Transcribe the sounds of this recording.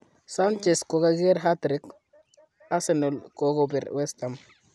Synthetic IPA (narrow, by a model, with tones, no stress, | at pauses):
sa˦nt͡ʃe˨sko˨ɡa˦ɡe˦ɾɦa˦tɾik | a˦seno˨lkoɡobi˨ɾwe˦st̪a˨m